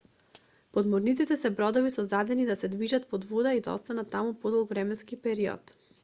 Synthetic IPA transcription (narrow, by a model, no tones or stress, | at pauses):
pod̪mɔɾnit̪it̪ɛsɛbɾɔd̪ɔvisɔzd̪ad̪ɛnid̪asɛd̪viʒat̪̚pɔd̪vɔd̪aid̪a̰ɔ̰st̪anat̪ːamupɔd̪ɔlˠkvɾɛmɛnskipɛɾiɔ̰t̪